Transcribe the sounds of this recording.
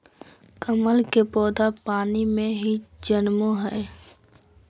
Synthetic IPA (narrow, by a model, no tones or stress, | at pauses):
kəməlkepɔːd̪apaːnimẽɦid͡ʒənmoɦɛː